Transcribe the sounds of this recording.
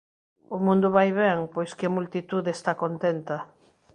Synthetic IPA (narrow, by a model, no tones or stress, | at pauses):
ʊmũnd̪ʊβajβɛŋpojskɪmult̪it̪uðest̪akont̪ent̪ɐ